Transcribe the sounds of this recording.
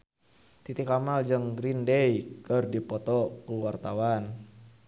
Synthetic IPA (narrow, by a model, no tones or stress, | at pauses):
t̪it̪ikamald͡ʒəŋɡɾindejkərdipɔt̪ɔkuwart̪awan